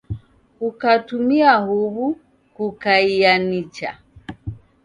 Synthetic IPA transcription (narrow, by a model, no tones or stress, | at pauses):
kukatumiahuβu | kukaijanit͡ʃa̰